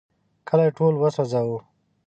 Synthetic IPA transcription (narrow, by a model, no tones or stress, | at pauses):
kʰəlajeʈolwəsozawu